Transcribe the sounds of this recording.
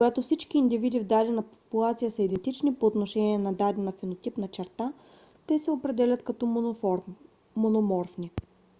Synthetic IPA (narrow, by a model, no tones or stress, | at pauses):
ɡat̪ofsit͡ʃkiːnd̪ivid̪ivd̪ad̪ɛnɐpopulˠat̪sijəsəid̪ɛnt̪it͡ʃnipoːt̪noʃɛnʲiɛnɐd̪ad̪ɛnɐfinot̪ipnɐt͡ʃɛɾt̪a | t̪ɛsɛopɾɛd̪ɛlʲɐt̪kɐt̪ɔɾː | onomɔɾfni